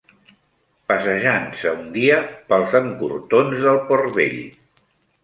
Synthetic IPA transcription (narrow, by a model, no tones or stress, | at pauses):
pəsəʒansəund̪iəpəlˠzəŋkṵrt̪onzðəlˠporβḛʎ